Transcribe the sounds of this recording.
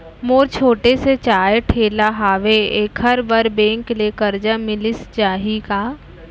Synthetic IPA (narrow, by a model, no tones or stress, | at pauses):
moːɾt͡ʃʰoːʈeset͡ʃaːjʈʰeːlaɦaːʋeeːkɦɐɾbɐɾbẽːŋklekɐɾd͡ʒamɪlɪst͡ʃaːɦikaː